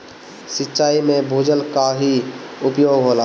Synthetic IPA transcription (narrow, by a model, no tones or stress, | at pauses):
sɪtːʃaːimẽbʱud͡ʒəlkaɦiʊpjoːɡɦola